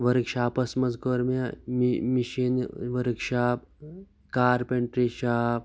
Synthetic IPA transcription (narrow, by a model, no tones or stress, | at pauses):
ʋɐɾɨkʃaːpɐsmɐzkoːɾmɐmmiʃinʋɐɾɨkʃaːp̚ | kaːɾpeɳʈɾiʃaːp̚